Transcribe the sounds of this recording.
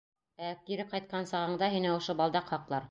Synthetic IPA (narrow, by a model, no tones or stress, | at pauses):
ækiɾɘqɑjt̪̚qɑnsɑʁɤ̆ɴd̪ɑɦinɘŏʃobɑlˠd̪ɑqhɑqlˠɑɾ